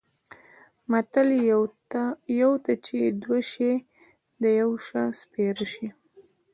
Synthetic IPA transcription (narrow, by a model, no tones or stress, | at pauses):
mat̪al | jawt̪at͡ʃed̪waʃe | d̪əjawʃaspeɾəʃi